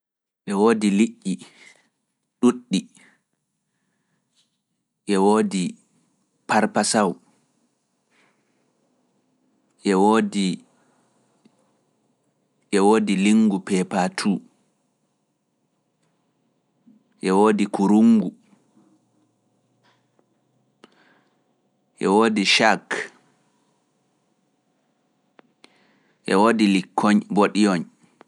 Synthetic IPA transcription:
ʔɛwoːdiliʔːi | ɗuɗːi | ʔɛwoːdi | paɾpasaw | ʔɛwoːdi | ʔɛwoːdiliŋɡupɛpatʰuː | ʔɛwoːdikuɾuŋɡu | ʔɛ̰woːdiʃak | ʔɛ̰woːdilikʰːɔɲboɗijɔɲ

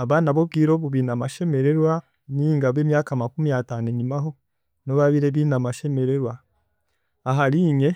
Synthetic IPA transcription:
aβaːnaβo̞b̚ɡiːɾoːβuβinamaʃe̞me̞ɾe̞ɾwa | niːŋɡaβemjaːkamakumiataːneɲimaɦo̞ | noβaβiɾeβinamaʃe̞me̞ɾeɾwa | aɦaɾiːɲe

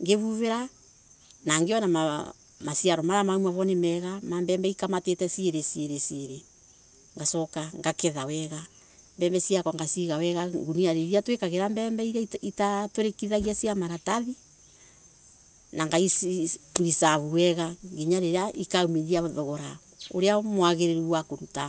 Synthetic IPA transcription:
ŋɡeβuβeɾa | naŋɡeɔnama | masiaɾɔmaɾamaumaβɔnemɛɣamambɛmbɛikamatetɛsieɾesieɾesieɾe | ŋɡasɔkaŋɡakeðawɛɣa | mbɛmbɛsiakɔŋɡasiɣawɛɣaŋɡuniaɾeɾiatwekaɣeɾambɛːmbɛiɾaitatoɾekiðaɣiasiamaɾataði | naŋɡaisiuɾisaβuwɛɣaŋɡiɲaɾeɾeaʔikaumeɾiaðɔɣɔɾa | o̰ɾeamwaɣeɾeɾuwakoɾuta

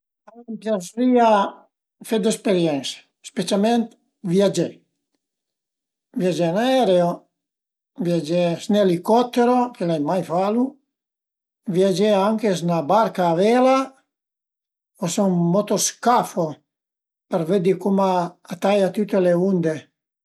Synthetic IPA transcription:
ampjasɾia | fed̪ɛspeɾjɛnsḁ | spet͡ʃalment̪ | vjad͡ʒɛ | vjad͡ʒɛnaɛɾeo | vjad͡ʒɛsnelikɔt̪ːeɾok̟elajmajfalu | vjad͡ʒeaŋkesnabaɾkaːvɛla | osoŋmɔt̪oskafo | peɾved̪ikumaat̪ajat̪ut̪ːeleund̪e

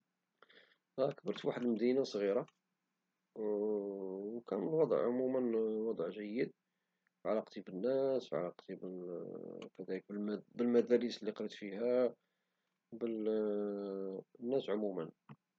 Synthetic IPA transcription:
ækbəɾt̪fwaħəd̪əlməd̪inasˤɣiɾɑ | wkænlwɑd̪ˤə̰ʕʕʊmumənwɑd̪ˤʕʒəjːəd̪̚ | fʕalæqt̪ˤibənːæsfʕa̰læqt̪ˤibə | kæd̪ælək̚bəmbəlmæd̪æɾislːiqɾit̪fihæ | bəl | nːæsʕʊmumən

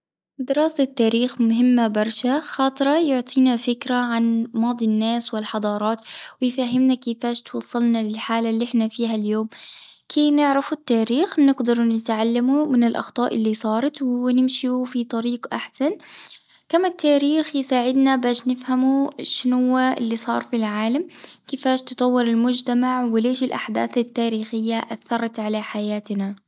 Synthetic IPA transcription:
d̪ɪɾɑːsat̪ːaːɾiːxmʊɦɪmːabɑɾˤʃaxɑːt̪ˤɾˤɑjʊʕt̪ˤʰiːnafɪkɾaʕanmɑːd̪ˤinːaːswɪlħɑd̪ˤɑːɾˤɑːt̪wɪjfaɦɪmnakifaːʃt̪wɑsˤːɑlnalɪlħaːlalːʔɪħnafiːɦaljoːmkʰeːnɪʕɾafut̪ːaːɾiːxnɪɡd̪ɑɾˤnɪt̪ʕalːamumɪnɪlʔɑ̰xt̪ˤɑːʔɪlːisˤɑːɾˤɑt̪wnɪmʃiufit̪ˤɑɾiːqʔaħsan | kamːat̪ːaːɾiːxjsaːʕɪd̪nabaːʃnɪfhamuʃɪnhʊwːaʔɪ̰lːisˤɑ̰ːɾˤfilʕaːlamkɪːfaːʃt̪ɨ̥t̪ˤɑwːɪɾɪlmʊd͡ʒt̪amaʕwɪleːʃɪlʔa̰ħd̪a̰ːθɪt̪ːaːɾiːxɪjːaʔaθːɑɾˤɑt̪ʕalaħajaːt̪na

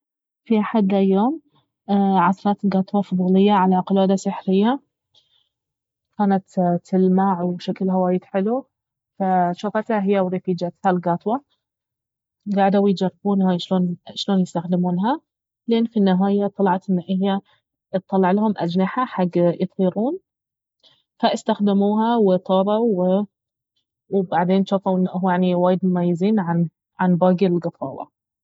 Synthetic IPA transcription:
fiʔaħad̪ajːoːm | ʕɑsɑɾˤɑːt̪ɪlɡɑːt̪ˤwɑfʊðˤuːlɪjːaʕalaqʊlaːd̪asɪħɾɪjːa | kʰaːnat̪t̪ːɪlmaːʕwʃaklɦawaːjɪd̪ħɪlu | faʃafat̪haɦɪjːawɾɪfiːd͡ʒat̪halɡɑːt̪ˤwɑ | ɡaʕd̪awjt̪d͡ʒɑrˤːɑbuːnhaʃloːnʃloːnjɪst̪axd̪ɪmuːnɦa | lʔeːnːfinːɪɦaːjat̪ˤːɑlɑʕɑt̪ʔɪnːaʔɪhja | t̪ˤːɑlːɑʕlahʊmʔad͡ʒnaħaħaɡːjɨt̪ˤiːɾuːn | faʔɪst̪axd̪ɪmuːɦawɪt̪ˤɑːɾˤɑw | wbaʕd̪eːnʃaːfawʔɪnːʔjaʕniwaːjɪd̪mʊmajːɪziːnʕan | ʕanbɑːɡɪlɡɑt̪ˤɑ̰ːwa̰

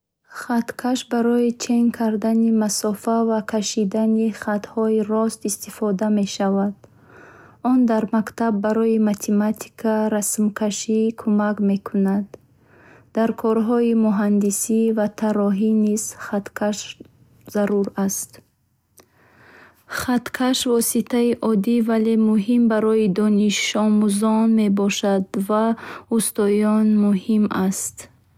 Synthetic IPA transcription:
χat̪kʰaʃbaɾɔit͡ʃʰe̞ŋkʰaɾd̪animasɔfavakʰaʃid̪aniχat̪hɔiɾɔst̪ist̪ifɔd̪ame̞ʃavad̪ | ɔnd̪aɾmakt̪abːaɾɔimat̪ʰemat̪ʰi̥kʰaɾasmkʰaʃikʰumakme̞kʰunad̪ | d̪aɾkʰɔɾɦɔimuɦand̪isivat̪ʰaɾɔɦiniz̥χat̪kʰaʃ | zaɾuɾast̪ | χat̪kʰaʃvɔsit̪ʰaiʔɔd̪ivale̞muɦimbaɾɔid̪ɔniʃɔmuzɔnme̞bɔʃad̪vaust̪ɔjɔnmuhimast̪

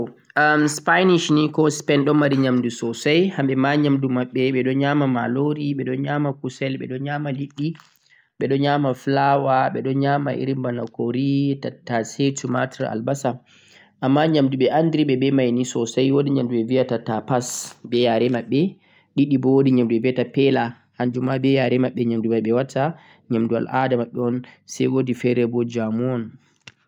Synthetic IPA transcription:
amspajniʃnikɔspɛnɗɔnmːaɾiɲamdusɔsajhamɓɛmaɲamdumaɓːɛɓɛɗɔɲamama̰loɾiɓɛɗɔɲamakusɛlɓɛ̰ɗɔɲaːmaliɗːi | ɓɛɗɔɲamaflawaɓɛɗɔɲamaʔḭɾimbanakoɾitatːasetuma̰tɾa̰lbasa | amːaɲamduɓɛʔandiɾiɓɛbɛmajnisɔsajwodiɲamduɓɛviatatapasbɛjaɾɛmaɓːɛ | ɗiɗːibɔwodiɲamduɓɛviatapɛla | haɲd͡ʒumabɛjaɾɛmaɓːɛɲamduɓaɓɛwatʰːa | ɲamduwa̰lʔadamaɓɔɔnsajwodifɛɾɛbɔd͡ʒamɔn

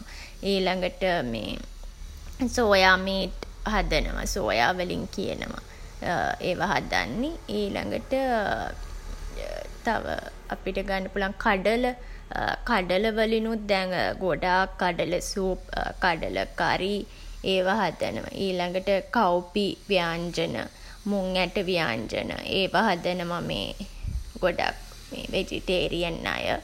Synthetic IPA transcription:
iːlaŋɡəʈəmḛː | soːjaːmeːʈɦad̪ənə̰ʋa̰so̰ːja̰ːʋəlḭŋkiə̰nə̰ʋa | eːʋaɦad̪a̰nːeiːla̰ŋɡəʈə | t̪a̰ʋə̰ | apiʈəɡanːəpulaŋkaɖələ | kaɖələʋəlinut̪̚d̪ɛŋɡoɖaːkːaɖələsuːpːkaɖə̰lə̰kaɾi | eːʋaɦad̪ə̰nəma̰ʔiːlaŋɡəʈəkawpiʋijaːɲd͡ʒənə̰ | muŋæʈəʋijaːɲd͡ʒə̰nə̰ʔeːʋaɦad̪ənəmamḛːɡ̥oɖa̰k | meːʋed͡ʒḭʈeːɾijənːa̰jə̰

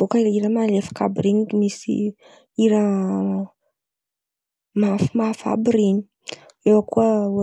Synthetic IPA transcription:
b̥okəiɾəmalefḁkabiɾiniimisḭ | iɾə | mafimafa̰biɾiɲi̥ | ewəkuə

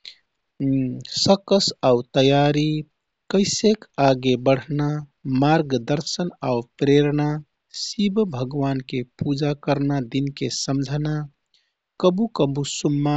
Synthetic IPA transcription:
səkəsaut̪əjaɾi | kəɪsekaɡebəɽ̤namaɾɡd̪əɾsənaupɾeɾna | sibbʱəɡʋankepud͡ʒakəɾnad̪inkesəmd͡ʒʱna | kəbukəbusumːa

